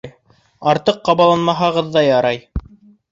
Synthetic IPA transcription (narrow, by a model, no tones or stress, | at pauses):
j | ɑɾt̪ɤqːɑβɑlˠɑnmɑɦɑʁɤðːɑjɑɾɑj